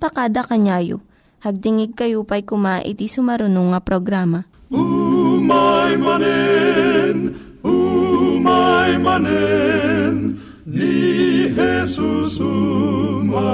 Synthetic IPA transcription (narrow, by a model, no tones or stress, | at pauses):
pɐkaːd̪ɐkɐɲaːjo̰ | hɐɡ̚d̪ɪŋɪɡ̚kɐjupɐjkʊmaʔɪ̰t̪isʊmɐɾʊnuŋɐpɾoɡɾaːmɐumajmanɛ | n | umajmanɛ | n | nihɛsusu | m